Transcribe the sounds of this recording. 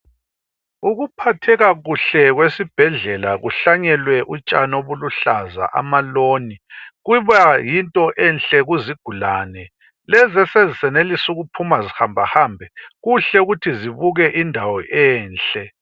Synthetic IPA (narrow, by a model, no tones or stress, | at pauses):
uɣupʰatʰɛɣaɣuɬɛɣwesib̥ʱɛɮɛlaɣuɬaɲɛlwɛʔut͡ʃʼanoβuluɬaza̰ʔa̰maloːniɣuβajintʼɔʔɛnɬʼɛɣuziɡ̥ʱulaːnɛ | lɛzɛsezisɛnelisuɣupʰumazihambʱahaːmbʱɛɣuɬɛuɣutʰiziβuɣɛʔindʱawɔʔɛːnɬʼɛ